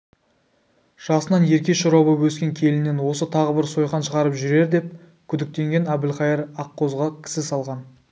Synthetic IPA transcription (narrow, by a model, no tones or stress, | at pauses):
ʒ̥ɑsənɑnje̞ɾkʲe̞ʃʊɾɑwbəwɵskʲe̞ŋkʲʰe̞lɪne̞nwo̞sət̪ʰɑʁəbɪɾso̞jχɑnʃəʁɑɾəpʒʏɾe̞ɾd̪e̞p̚ | kʲʰʏd̪ɪk̚t̪e̞ŋɡʲe̞næbɪlχɑjəɾɑqːo̞zʁɑkʲʰɪ̥sɪsɑlˠʁɑn